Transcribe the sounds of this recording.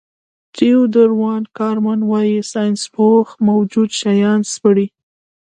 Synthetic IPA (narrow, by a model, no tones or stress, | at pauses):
t̪iud̪əɾwɑnkɑɾmanwɑjisɑjnspoxmawd͡ʒud̪ʃajɑnspəɽi